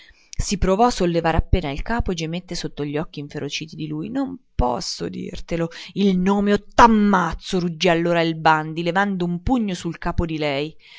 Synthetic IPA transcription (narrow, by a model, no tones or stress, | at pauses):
sipɾovɔasːolːevaːɾapːeːnailkaːpoed͡ʒemet̪ːesot̪ːoʎːɔkːiːɱfeɾʔot͡ʃiːt̪id̪ilujnompɔ̰sːo̰d̪ḭrt̪eloilnoːmeot̪ːamːat̪sːoɾud͡ʒːialːoːɾailband̪ilevand̪oumpuɲːosulkaːpod̪ilɛj